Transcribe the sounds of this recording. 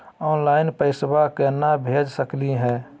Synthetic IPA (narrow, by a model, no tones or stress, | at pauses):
ɔːnlaːɪnpəɪsbakenabʱeːd͡ʒsəkliɦɛ̃ː